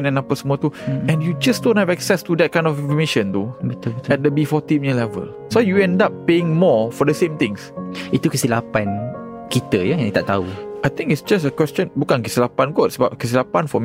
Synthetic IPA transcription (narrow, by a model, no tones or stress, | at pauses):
nɛ̃napəsmɔt̪uɛ̃njud͡ʒasdõnhɛvɛksɛstudɛt̚kãj̃ndɔfĩfɔmeʃə̃nt̪obit̪ubit̪ɛt̚dəbifɔt̪ĩmiəlɛvə̰l | sojuɛ̃ndap̚ːeɪ̃ŋmɔfɔdəsẽmt̪ɪ̃ŋsit̪ukəsilapãn | kit̪əjaj̃at̪aʔt̪auʔajt̪ɪ̃ŋkiɪtsd͡ʒas̬əkwɛst͡ʃə̃nbukãnkəsilapãnɡɔtsəbap̚kəs̬ilapãnfɔm